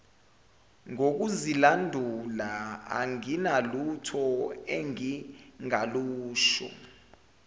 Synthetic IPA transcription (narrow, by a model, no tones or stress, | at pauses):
ŋok̬uzilandʱulaa̰ŋinalutʰɔɛŋiŋaluːʃɔ̰